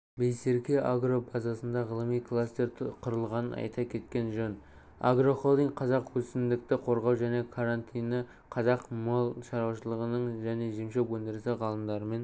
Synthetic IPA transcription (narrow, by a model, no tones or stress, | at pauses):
bejse̞ɾkʲeʔaɡro̞bɑzɑsənd̪ɑʁəlˠəmijkʰlˠast̪e̞ɾʰqʰʊɾəlˠʁɑnənɑ̰jt̪ʰɑkʲʰe̞t̪kʲe̞nʒɵn | a̰ɡro̞χolˠd̪iŋqʰɑzɑqwɵsɪnd̪ɪk̚t̪ɪqʰo̞ɾʁɑwʒæne̞kʰaɾant̪ʰijnə | qʰɑzɑqmolˠʃɑɾwɑʃəlˠəʁənəɴʒæne̞ʒemʃepwɵnd̪ɪɾɪsɪʁɑlˠəmd̪ɑɾəme̞n